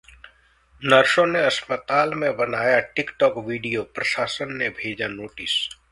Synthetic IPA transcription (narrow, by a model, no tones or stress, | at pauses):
nɐɾʃõneɐspət̪aːlmẽbɐnaːjaʈɪkʈɔːkʋiːɖijopɾɐʃaːsənːebʱeːd͡ʒanoːʈɪs